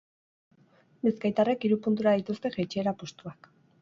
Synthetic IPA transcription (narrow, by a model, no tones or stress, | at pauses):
biskajt̪arekiɾupunt̪uɾaðit̪ust̪e̞ʝet͡ʃeeɾapost̪uak